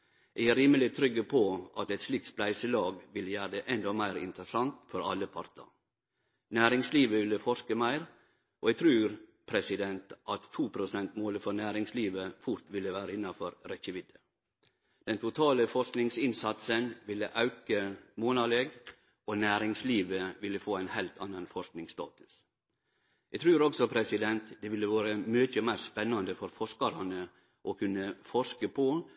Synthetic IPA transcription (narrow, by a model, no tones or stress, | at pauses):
ʔɛɾiːməlɪt̪ʰɾʏɡːəpʰoʔɑt̪ɛt̪ʂliːk̚t̪splæɪsəlɑːɡʋɪlːəjæːɾəd̪ɛʔɛnd̪ɔmæɪɾɪ̰nt̪əɾəsɑŋt̪fɔɾɑ̰lːəpʰɑɾt̪ə̰ɾ | næːɾɪŋsliːʋəʋɪlːəfɔʂkəmæɪɾ | ʔoːɛɡt̪ʰɾʉːɾpʰɾɛsɪd̪ɛnt̪ʔɑt̪ʰːuːpʰɾʊsɛnt̪moːləfɔɾnæːɾɪŋsliːʋəfʊɾt̪ʋɪlːəʋæːɾəɪnːɑfɔɾɾɛçəʋɪd̪ə | d̪̥ɛnt̪ʰʊt̪ʰɑːləfɔʂknɪŋsɪnsɑt̪sənʋɪlːəʔɑʉkəmoːnɑleːɡ | ɔnæːɾɪŋsliːʋəʋɪlːəfoːæɪnhæɪlt̪ʰɑnːɑnfɔʂknɪŋst̪ɑ̰ːt̪ʉ̥s | jɛɡt̪ʰɾʉːɾɔksɔpʰɾɛsɪd̪ɛnt̪d̪ɛʋɪlːəʋɑːɾəmøːt̪əmæɪɾspɛnːɑnd̪əfɔɾfɔʂkɑɾɑnə | ʔɔkʰʉnːəfɔʂkəpʰɔ